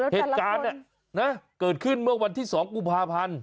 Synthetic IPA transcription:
heː˨˩t̪̚kaː˧nːa˩ | na˦˥kɤː˨˩t̪̚kʰɯ˥˩nmɯ˥˩əwa˧nt̪ʰiː˥˩sɔː˩˦ŋku˧˩mpʰaː˧pʰa˧n

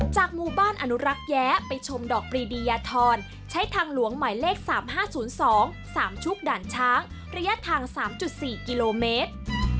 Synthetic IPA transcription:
t͡ɕaː˨˩k̚muː˧baː˥˩nʔa˧nu˦˥ɾa˦˥k̚jɛː˦˥pa˧jt͡ɕʰo˧mdɔː˨˩k̚pɾiː˧diː˧jaː˧t̪ʰɔː˧n | t͡ɕʰa˦˥jt̪ʰaː˧ŋlu˨˩˦əŋma˨˩˦jleː˥˩k̚saː˩˦mɦaː˥˩suː˩˦nsɔː˩˦ŋ | saː˩˦mt͡ɕʰu˦˥k̚daː˨˩nt͡ɕʰaː˦˥ŋ | ɾa˧˥ja˦˥t̪ʰaː˧ŋsaː˩˦mt͡ɕu˨˩t̪̚siː˨˩ki˧loː˧meː˦˥t̪̚

